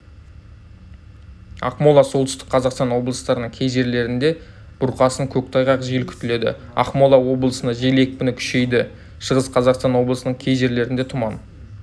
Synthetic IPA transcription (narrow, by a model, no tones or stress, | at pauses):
ɑ̰qmolˠɑso̞lˠt̪ʏ̥st̪ɪ̥q̚qʰɑzɑqst̪ɑnwo̞blˠəst̪ɑɾənəɴkʲʰe̞jʒe̞ɾle̞ɾɪnd̪e̞ | b̥ʊɾqɑsəŋkʲʰɵk̚t̪ʰɑjʁɑqʒelkʲʰʏ̥t̪ɪle̞d̪ɪ̰ | ɑ̰qmolˠɑwo̞blˠəsənɑʒe̞lekʲpʲʏnɪkʲʰʏ̥ʃe̞jd̪ɪ | ʃəʁəsqʰɑzɑqst̪ɑnwo̞blˠəsənəɴkʲʰe̞jʒe̞ɾle̞ɾɪnd̪e̞t̪ʰʊmɑn